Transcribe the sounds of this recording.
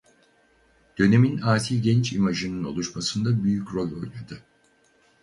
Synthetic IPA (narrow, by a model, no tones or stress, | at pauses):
d̪̥ø̞ne̞minaːt̪ʰilɟɛnt͡ʃimaʒɯnɯno̞̰lˠuʃmasɯnd̪abyjycɾo̞lo̞jlʲad̪ɯ